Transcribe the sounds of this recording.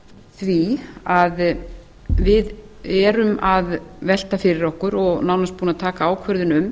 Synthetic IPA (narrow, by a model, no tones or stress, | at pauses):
θviað | vɪð | ɛɾʏmaðvɛl̥t̪afɪɾɪɾɔhkʏɾɔɣnaːwnaspuːnat̪ʰaːkaaːwkʰvœɾðʏnʏm